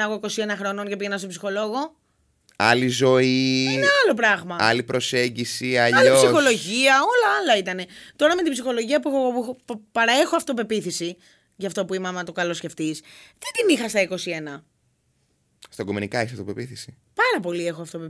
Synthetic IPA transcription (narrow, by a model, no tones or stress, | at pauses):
ɐɣoiko̞sie̞nɐxɾo̞nonceiʝenɐst̪opsixo̞lo̞ɣo̞ | ɐ̰lizo̞ieneɐlo̞p̬ɾɐɣmɐɐ̰lipɾo̞se̞ɲɟisiɐpsixo̞lo̞ʝiɐo̞lɐɐlɐit̪ɐne̞t̪o̞ɾɐme̞t̪ibsixo̞lo̞ʝiɐpuexopɐɾɐe̞xoɐft̪op̬e̞piθisi | ʝɐft̪o̞puimɐmɐt̪okɐlo̞sce̞ft̪isðet̪inixɐst̪ɐiko̞sie̞nɐ | st̪ɐɡumenikɐeçsɐft̪opepiθisi̥ | pɐɾɐpo̞lie̞xoɐft̪ope